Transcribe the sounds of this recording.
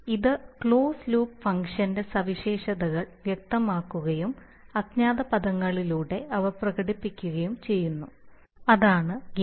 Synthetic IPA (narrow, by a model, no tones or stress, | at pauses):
iðɨkɭoːsluːpfɐŋkʂɐnde̞sɐʋiɕe̞ːʂɐðɐɣɐɭʋjek̚t̪ɐmaːkːuɣɐjum | ɐɡɲaːðɐpɐðɐŋːɐɭiluːɽe̞ʔɐʋɐrprɐɣɐɽipːikʲːuɣɐjumt͡ɕe̞jːunːu | ɐðaːɳɨɡ